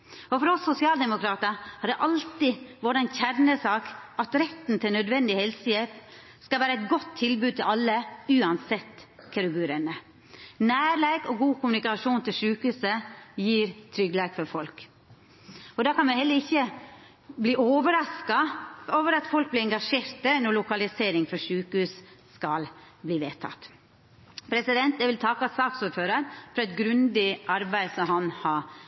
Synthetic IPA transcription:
ɔfɔɾɔsːʊsɪɑːld̪ɛmʊkʰɾɑːt̪əɾhɑɖ̪ɛʔɑlt̪ɪʋɔɖɑnçæɾnəsɑːkʔɑt̪ɾɛt̪ːnt̪ʰɪlnœd̪ʋɛnd̪ɪhɛlsəjɛp | skɑlʋæːɾəæɪt̪ɡɔt̪ʰːɪlbʉːd̪̚t̪ɪlʔɑlːəʉːɑnsɛt̪ːkʰɑɾʉɡʉːɾənə | næːɾlæɪɡɔɡuːkʊmʉnɪkɑʂuːnt̪ɪlʂʉːkʉsəjiːɾt̪ʰɾʏɡlæːkfɔɾfɔlk | ɔd̪ɑːkɑnmæɪhɛlːəɾɪçːə | bliːʔoːʋəɾɑskɑoːʋəɾɑt̪fɔlk̚blɪɛŋɡɑʂeːɾt̪ənɔlʊkɑlɪseːɾɪŋfɔʂʉːkhʉːsskɑl | bliːʋeːt̪ʰɑ̰t̪ | pʰɾɛsɪd̪ɛnt̪d̪ɛʋɪlt̪ʰɑkɑsɑːksuːɾføːɾəɾfɾɑɛt̪̚ɡɾʉnd̪ɪʔɑɾbæɪsɔhɑnhɑ

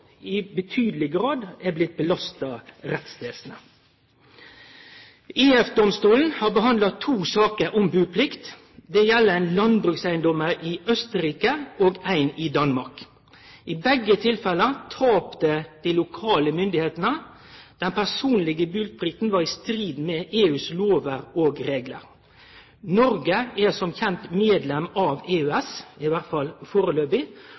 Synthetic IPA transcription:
ɪbət̪ʰyːd̪lɪɡɾɑːd̪ɛblɪt̪̚bəlɑst̪ɑɾɛt̪sd̪eːsnə | iːɛfd̪ɔmst̪uːln̩hɑːʁbəɦɑnd̪ɑt̪ʰuːsɑːkəɾʔɔmbʉːpʰlɪkt̪ | d̪ɛjɛlːəæɪnlɑnbɾʉksæɪənd̪ɔməɾʔɪʔœst̪əɾiːkəoːɡæɪnɪd̪ɑnmɑʁk | ʔɪbɛɡːət̪ʰɪlfɛlːət̪ʰɑːpt̪əd̪̥ilʊkʰɑːləmʏnd̪ɪheːt̪nə | d̪̥ɛnpʰæsuːnlɪɡəbʉːlt̪̚bʰɾɪkt̪n̩ʋɑʁɪst̪ɾiːd̪mɛʔeːʉːsloːʋəɾoːɡɾeːɡlə̰ɾ | nɔɾɡəɛsɔmçɛnt̪meːd̪lɛmɑːʋeːʉːɛsɪʋæʁt̪fɑlfoːɾəløːbɪ

